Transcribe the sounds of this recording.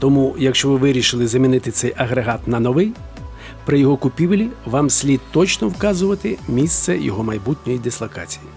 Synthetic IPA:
t̪ɔmujɐkʃt͡ʃɔʋɪʋɪɾʲiʃɪlˠɪzɐmʲinɪt̪ɪt̪sɛjɐɦɾeɦɑt̪nɐnɔʋɪj | pɾɪjɔɦɔkʊpʲiʋlʲiʋɑmsʲlʲid̪t̪ɔt͡ʃnɔwkɑzʊʋɐt̪ɪmʲist̪sɛjɔ̰ɦɔmɐjbut̪ʲnʲɔjid̪ɪslˠɐkɑ̰t͡sʲiji

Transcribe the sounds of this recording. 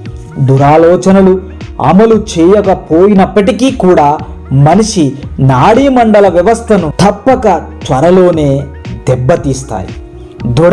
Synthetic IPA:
d̪uɾaːlɔːt͡ʃɐnɐlu | ɐ̰mɐlut͡ʃeːjɐkɐpo̞ːjinɐpːɐʈikiːkuːɽaː | mɐniʂinaːɽiːmɐɳɖɐlɐʋjɐʋɐst̪ʰɐnut̪ʰɐpːɐkɐt͡ʃ̪ʋɐɾɐlo̞ːne̞ː | d̪ɛbːɐt̪iːst̪a̰ːji | d̪u

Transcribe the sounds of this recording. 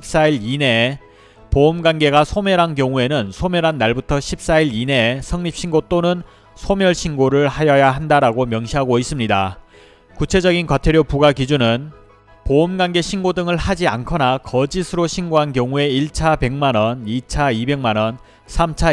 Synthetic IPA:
p̚s͈aiɾine̞ | poːmɡanɡe̞ɡasʰomjʌɾɦankjʌŋue̞nɯnsʰomjʌɾɦanːaɭbutʰʌɕʰip̚s͈aiɾine̞sʰʌŋɲip̚ɕ͈ʰinɡot͈onɯn | sʰomjʌɭɕʰinɡoɾɯɭhajʌjaɦandaɾaɡomjʌŋɕʰiɦaɡois͈ɯmɲida | kut͡ɕʰe̞d͡ʑʌɡinkwatʰeɾjopuɡakid͡ʑunɯn | poːmɡwanɡe̞ɕʰinɡodɯŋɯɭhad͡ʑiankʰʌnakʌd͡ʑisʰɯɾoɕʰinɡoɦankjʌŋue̞iɭt͡ɕʰape̞ŋmanʌnit͡ɕʰaibe̞ŋmanʌn | sʰamt͡ɕʰa

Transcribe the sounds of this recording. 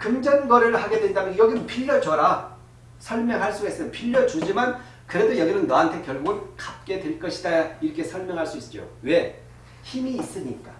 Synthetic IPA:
kɯmd͡ʑʌnɡʌɾɯɭhaɡe̞dwendamnjʌɡinɯnpʰiʎːʌd͡ʑʌɾa | sʰʌɭmjʌŋɦaɭs͈uis͈ɯmnpʰiʎːʌd͡ʑud͡ʑiman | kɯɾe̞dojʌɡinɯnːʌɦantʰe̞kjʌɭɡunkap̚k͈e̞dwe̞ɭk͈ʌɕʰidaiɾʌkʰe̞sʰʌɭmjʌŋɦaɭs͈uis͈t͡ɕ͈o̰we̞ | çimiːs͈ɯɲik͈a

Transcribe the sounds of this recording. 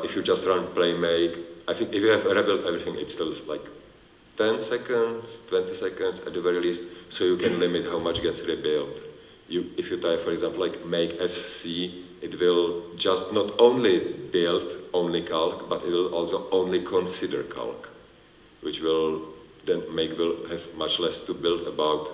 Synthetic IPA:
ʔɪfjud͡ʒast̪ɾãnpleɪmeɪkʔaɪθɪ̃ŋkɪfjuhɛvəɾibɪltɛvɾɪθɪ̃ŋɪ̰tstɪlslaɪk | t̪ɛ̃nsɛkə̃ndstwɛ̃nt̪ɪsɛkə̃ndsɛ̰td̪əvɛɹilist̪soʊjukɛ̃nlɪmɪt̪ɦawmat͡ʃɡɛtsɹibɪlt | juɪfjutajfɔɾɛɡzãmpl̩laɪjkmeɪkɛsːiːʔɪt̪wɪld͡ʒastnɔtõʊ̃nlɪbɪltʔõw̃nlɪkʰalˠkbat̪ɪtwɪlʔɔlˠsoʔõʊ̃nlɪkʰɔ̃nsɪdə̰ɹkʰa̰lˠk | wɪt͡ʃwɪl | dɛmeɪkwɪlhɛvmat͡ʃlɛst̪ubɪldəbawt

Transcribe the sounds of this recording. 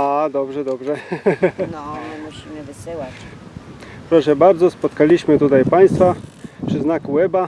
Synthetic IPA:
ad̪ɔbʐɛd̪ɔbʐɛ | nɔɔnɛmuɕimɘvɘsɘwat͡ɕ | pɾɔʂɛbaɾd̪zɔspɔt̪kalʲiɕmɘt̪ut̪ajpaj̃st̪fapʂɘznakuwɛba

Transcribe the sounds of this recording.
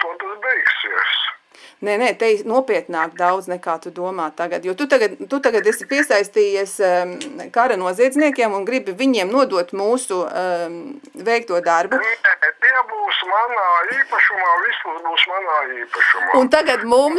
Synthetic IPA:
t̪uɔt̪asbɛjksiəs | nɛnɛt̪ɛjnuɔpiɛt̪naːkd̪awd̪znɛkaːt̪ud̪uɔmaːt̪ːaɡɐt̪juɔt̪ut̪aɡad̪t̪ut̪aɡad̪ɛsipiɛsajst̪iːjɛs | kaɾɐnuɔziɛd̪zniɛkʲiɛmunɡɾibiviɲiɛmnuɔd̪uɔt̪muːsu | vɛjk̚t̪uɔd̪aɾbunɛt̪iɛbuːsmanaːiːpɐʃumaːʋismusbuːsmanaːiːpɐʃuma̰unt̪aɡat̪mum

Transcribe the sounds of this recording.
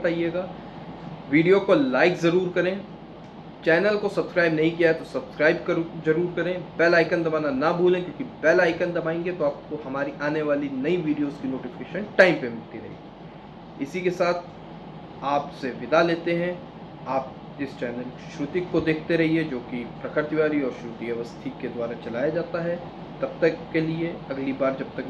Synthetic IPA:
t̪aːijeːɡaː | ʋiːɖijokolaːɪkzɐɾuːɾkɐɾẽ | t͡ʃɛːnəlkosɐbskɾaːɪbnɐɦĩkijaɦɛt̪osɐbskɾaːɪb̚kɐɾzɐɾuːɾkɐɾẽːpɛːlaːɪkə̃nd̪ɐbaːnanɐbʱuːlẽkjõːkipɛːlaːɪkə̃nd̪ɐbaːẽːŋɡet̪oaːp̚koɦɐmaːɾiʔaːneʋaːlinɐiʋiːɖijoːzkinoːʈɪfɪ̥keːʃənʈaːɪmpemɪlt̪iɾɐ̰ɦḭ | ɪsikesaːt̪ʰ | aːpseʋɪd̪aleːt̪eɦɛ̃ | aːp̚ | ɪst͡ʃɛːnəlʃɾʊt̪ɪkːod̪eːkʰt̪eɾɐɦiɛd͡ʒoːkipɾɐkʰəɾt̪iʋaːɾiɔːɾʃɾut̪ijɐʋəst̪ʰiked̪waːɾat͡ʃɐlaːjad͡ʒaːt̪aɦɛ | t̪ɐb̚t̪ɐkːelieɐɡlibaːɾd͡ʒɐb̚t̪ɐk

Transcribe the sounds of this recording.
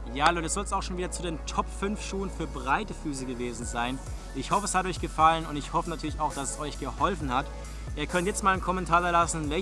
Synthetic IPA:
jaːhaloːdɛsz̥ɔlsaʊxʃoːnviːdɐt͡suːdeːntʰɔpfʏnfʃuːənfyːɐbʁaɪtəfyːs̬əɡəveːzn̩zaɪn | ʔɪçhɔfəɛshatɔʏçɡ̥əfalənʊntɪçhɔfənatʰyːɐlɪçaʊxd̥asɛsʔɔʏçɡ̥əhɔlfn̩hat | ʔiːɐkʰœntjɛt͡stmaːlnkʰɔmɛntʰaːɐdaɐlasn̩vɛ

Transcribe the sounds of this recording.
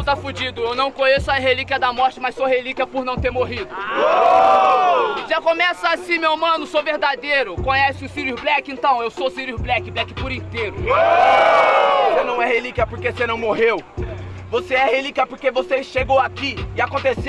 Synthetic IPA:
t̪afud͡ʒĩd̪ʊewnɐ̃w̃kõɲesʊaɦelikiɐd̪ɐmɔɾt͡ʃɪmasoɦelikiɐpʊɾnɐ̃w̃t̪eɾmoɦid̪ʊ | ʒakõmɛsɐasĩmewmɐ̃nʊsowveɾd̪ad̪ejɾʊkõɲɛsɪʊsiɾublɛkɪẽnt̪ɐ̃w̃ewsosiɾiublɛkɪblɛkɪpʊɾĩt̪eɾʊ | vosenɐ̃w̃ɛhelikʲiɐpoɾkesenɐ̃w̃moɦewvoseɛhelikʲiɐpoɾkevoseʃeɡowakiɪakõnt̪ese

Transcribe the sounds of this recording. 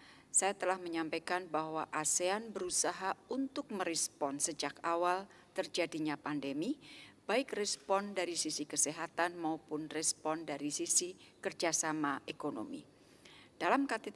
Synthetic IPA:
sajat̪əlahməɲampakanbaɦwaʔaseanbəɾusaɦaunt̪ʊk̚məɾɛspɔnsəd͡ʒakawal | t̪ərd͡ʒadiɲapandemib̥aɪkrɛspɔndaɾisisikəseɦat̪anmaupʊnrɛspɔndaɾisisikərd͡ʒasamaʔekono̰mḭ | d̥alamkat̪e

